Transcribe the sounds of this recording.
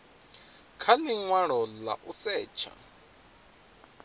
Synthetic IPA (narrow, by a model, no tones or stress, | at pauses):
kʰaliŋwaɺɔla̰ʔusɛːt͡ʃʰa̰